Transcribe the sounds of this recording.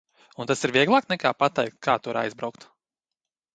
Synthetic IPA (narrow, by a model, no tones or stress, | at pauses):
unt̪asiɾviɛɡlˠaːknɛkaːpat̪ɛjk̚t̪̚kʰaːt̪uɾa̰jzbɾawkt̪